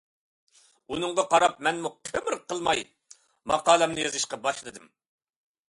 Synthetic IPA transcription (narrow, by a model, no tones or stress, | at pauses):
unɨŋʁɑqɑɾɑp̚mɛnmuqʰemɾqʰəlˠmɑj | mɑqɑːlˠɛmnɨjɑzɨʃqɑbɑʃlˠɨd̪ɨm